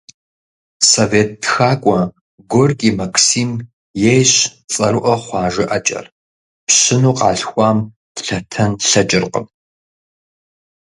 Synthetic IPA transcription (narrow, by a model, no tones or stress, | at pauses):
soveːt̚ʰːxaːkʷʼɔ | ɡʷorkʼimɐkʰsiːm | jejɕt͡sʼɐɾɨʔɐχʷɑːʒɪʔɐt͡ʃʼɐ̰r | pɕɪnuːqɑːɬxʷɑːm | tɬɐtʰɐnɬɐt͡ʃʼɪrqʼə̰m